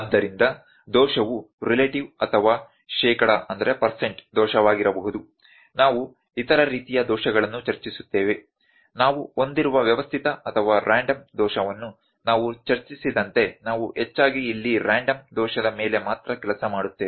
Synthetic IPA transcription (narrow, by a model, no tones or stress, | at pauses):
ɐd̪ːɐɾind̪ɐ | d̪ɔːʃɐʋuɾileʈiʋɐt̪ʰɐʋaː | ʃɛːkɐɽaʔɐnd̪ɐɾe̞pɐɾseɳʈd̪ɔːʃɐʋaːɡiɾɐbɐɦud̪u | naːʋu | it̪ɐɾɐɾiːt̪ijɐd̪ɔːʃɐɡɐɭɐnːut͡ʃɐɾt͡ʃisu̥t̪ːeːʋe̞ | naːʋuo̞nd̪iɾuʋɐʋjɐʋɐst̪ʰit̪ɐɐt̪ʰɐʋaːɾʔaːɳɖɐmd̪ɔːʃɐʋɐnːu | naːʋut͡ʃɐɾt͡ʃisid̪ɐnt̪e̞naːʋuɦet͡ʃːaːɡiːlːiɾaːɳɖɐmd̪ɔːʃɐd̪ɐme̞ːle̞maːt̪ɾɐkɛlɐsɐmaːɽut̪ːeːe